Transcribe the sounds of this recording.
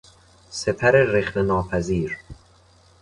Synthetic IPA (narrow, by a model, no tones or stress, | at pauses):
se̞pʰæɾereχnenɒːpʰæziːɾ